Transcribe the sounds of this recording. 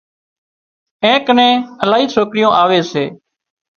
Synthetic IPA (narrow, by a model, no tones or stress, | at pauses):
ẽːkənẽːəlaːɦiːsoːkɾɪjõːʔaːʋeːseː